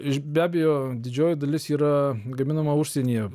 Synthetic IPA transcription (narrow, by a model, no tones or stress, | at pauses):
ɪʃbʲæːbʲɛjoːd̪ʲɪd͡ʒʲoːjɪd̪ɐlʲɪsiːɾɐɡɐmʲɪnɐmɐʊʃʲsʲenʲijɛ